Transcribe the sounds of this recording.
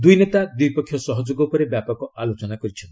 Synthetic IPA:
d̪ujnet̪ad̪ujpɔkʰːjɔsɔɦɔd͡ʒoɡɔpɔɾebjapɔkɔalot͡ʃɔnakɔɾit͡ʃʰɔnt̪

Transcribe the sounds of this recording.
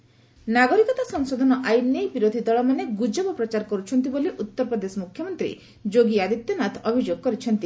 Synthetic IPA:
naɡɔɾikɔt̪asɔŋsod̪ʱɔnɔʔajnːejbiɾod̪ʱid̪ɔɭɔmaneɡud͡ʒɔbɔpɾɔt͡ʃaɾkɔɾut͡ʃʰɔnt̪iboliʔut̪ːɔɾpɾɔd̪esɔmukʰːjɔmɔnt̪ɾḭ | d͡ʒoɡiad̪it̪ːɔnat̪ʰɔbʱid͡ʒoɡ̚kɔɾit͡ʃʰɔnt̪i

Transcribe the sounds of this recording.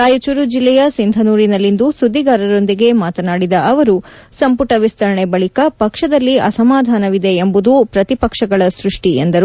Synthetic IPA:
aːjut͡ʃuɾud͡ʒilːɛjɐsind̪ʱɐnuːɾinɐlːind̪usud̪ːiɡaːɾɐɾo̞nd̪iɡe̞maːt̪ɐnaːɽid̪ɐʔɐʋɐɾu | sɐmpuʈɐʋist̪ɐɾɐɳebɐɭikɐpɐkʂɐd̪ɐlːiɐsɐmaːd̪ʱaːnɐʋid̪eːmbud̪upɾɐt̪ipɐkʂɐɡɐɭɐsɾuʂʈiend̪ɐɾu

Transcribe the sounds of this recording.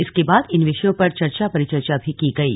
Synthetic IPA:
ɪskebaːd̪ɪnʋɪʃəjõpɐɾt͡ʃɐɾt͡ʃapɐɾɪt͡ʃɐɾt͡ʃabʱikiɡɐḭː

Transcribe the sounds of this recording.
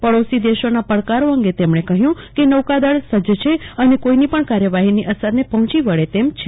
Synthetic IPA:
pəɭosid̪eʃonapəɭkaɾoəŋɡet̪emɳ̃ekəɦjũkenəʋkad̪əɭsəd͡ʒt͡ʃʰeənekoinipəɳkaɾjəʋaɦiniʔəsəɾnepəɦɔ̃t͡ʃiʋəɭet̪emt͡ʃʰe

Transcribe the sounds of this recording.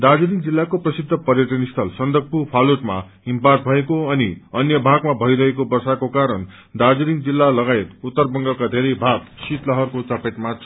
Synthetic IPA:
d̪ad͡zuɾiŋd͡zilːakoprʌsid̪ʱːʌpʌrjʌʈʌnist̪ʰʌlsʌnd̪ʱʌk̚pupʰaluʈma̰ | impart̪̚bʱʌekoʌniʌnjʌbʱaɡmabʱʌiɾʌɦekobʌrsakokaɾʌn | d̪ad͡zuɾiŋd͡zilːalʌɡaet̪ut̪ːʌrbʌŋɡʌkad̪ʱeɾʌjbʱaɡ̚sit̪lʌɦʌrkot͡sapeʈmat͡sʰ

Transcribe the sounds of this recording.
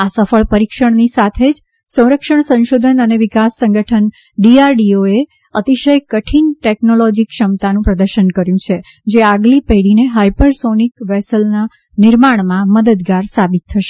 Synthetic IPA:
asəfəɭpəɾikʃəɳ̃nisat̪ʰed͡ʒ | sə̃w̃ɾəkʃəɳsə̃nʃod̪ʱənəneʋikasːə̃ŋɡəʈʰən | ɖiaɾɖioe | ət̪iʃəjkəʈʰinʈɛknolod͡ʒikʃəmt̪anũpɾəd̪əɾʃənkəɾjũt͡ʃʰe | d͡ʒeaɡlipeɽineɦajpəɾsonikʋɛsəlna | nɪɾmaɳ̃mãməd̪əd̪ɡaɾsabit̪ʰːəʃe̥

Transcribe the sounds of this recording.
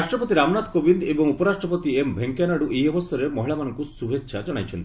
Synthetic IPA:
asʈɾɔpɔt̪iɾamɔnat̪kobind̪ebɔŋupɔɾasʈɾɔpɔt̪iembʱeŋkanaɽuʔejɔbɔst̪ɔɾemɔɦiɭamanɔŋkusubʱetːʃʰad͡ʒɔɽ̃ajt͡ʃʰɔnt̪i

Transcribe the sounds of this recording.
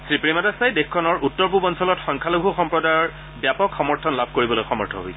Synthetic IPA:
sɹipɹimadasajdexkʰːɔnɔɹutːɔɹpubɔnsɔlɔtxɔŋkʰalobʱuxɔmpɹɔdaɔ | bjapɔkxɔmɔɹtʰɔnlab̚ʱkoɹibɔlojxɔmɔɹtʰɔɦo̰j

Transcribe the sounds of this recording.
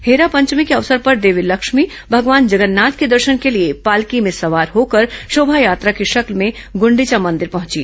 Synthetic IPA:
heːɾapɐ̃ɲt͡ʃmikeɐʋsəɾpɐɾd̪eːʋilɐkʃmi | bʱɐɡʋaːnd͡ʒɐɡənːaːt̪ked̪ɐɾʃənkeliepaːlkimẽsɐʋaːɾɦoːkɐɾʃoːbʱajaːt̪ɾakiʃɐklmẽ | ɡʊ̃ɳɖit͡ʃamɐ̃nd̪ɪɾpɐɦʊ̃t͡ʃḭ

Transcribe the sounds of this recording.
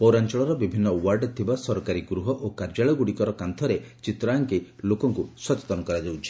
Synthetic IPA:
pɔwɾant͡ʃɔɭɔɾɔbibʱinːɔwaɾɖt̪ʰibasɔɾɔkaɾiɡɾuɦɔʔokaɾd͡ʒaɭɔɡuɽikɔɾɔkant̪ʰɔɾet͡ʃit̪ɾaŋkilokɔŋkuswɔt͡ʃe̥t̪ɔnɔkɔɾad͡ʒawt͡ʃʰi̥

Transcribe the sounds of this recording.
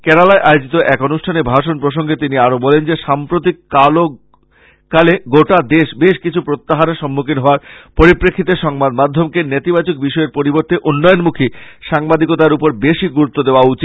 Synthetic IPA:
kɛɾalaeʔaeod͡ʑit̪oʔɛkonuʃʈʰanebʱaʃonpɾoʃoŋɡet̪iniaɾobɔlend͡ʑeʃampɾot̪̬ikːalo | kaleɡoʈad̪eʃbeʃkit͡ɕʰupɾot̪ːaɦaneʃɔmːukinɦɔoaɾpoɾipɾekʰːit̪eʃɔŋbad̪mad̪ʱːomkenet̪ibat͡ɕok̚biʃɔeɾpoɾiboɾt̪eʔunːɔjonmukʰiʃaŋbad̪ikot̪aɾupoɾbeʃiɡuɾut̪ːod̪eoaut͡ɕit̪

